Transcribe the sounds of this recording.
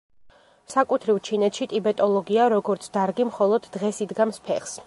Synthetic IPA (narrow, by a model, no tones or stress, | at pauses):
sakʼut̪ʰɾivt͡ʃʰinɛt̪ʰʃit̪ʼibɛt̪ʼɔlˠɔɡiaɾɔɡɔɾt̪sʰd̪̥aɾɡimχɔlˠɔd̪ːʁɛsid̪ɡamspʰɛχs